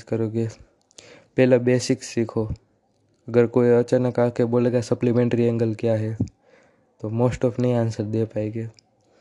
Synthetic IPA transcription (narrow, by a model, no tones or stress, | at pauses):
skɐɾoːɡeː | pɛːlabeːsɪksːikʰo | ɐɡəɾkoːiɐt͡ʃənɐkaːkeboːleːɡasɐplemẽːɳʈɾiɛ̃ŋɡəlkjaːɦɛ | t̪omoːsʈɔːpʰnɐĩaːnsəɾd̪epaːeːɡeː